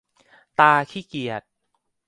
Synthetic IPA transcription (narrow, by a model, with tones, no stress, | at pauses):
t̪aː˧kʰiː˥˩ki˨˩ət̪̚